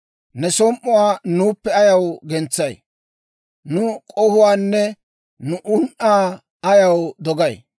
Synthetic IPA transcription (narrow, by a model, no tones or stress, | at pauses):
nɛsɔmʔʊwaːnuːpːɛɐjɐwɡɛnt͡sːɐj | nʊkʼɔhʊwaːnːɛ | nʊʔʊnʔaː | ɐjɐwd̪ɔɡɐj